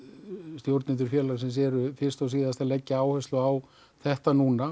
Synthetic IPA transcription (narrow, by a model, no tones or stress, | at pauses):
st̪jowɾt̪nɪnt̪ʏɾfjɛːlaɣsɛmsɛːɾʏfɪr̥st̪aws̬iːðast̪alɛcːaaːwhœst̪lʏaw | θɛht̪anuːna